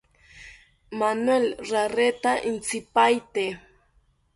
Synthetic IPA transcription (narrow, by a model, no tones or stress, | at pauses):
manwelɾaret̪aʔɪnt͡sɪpajt̪e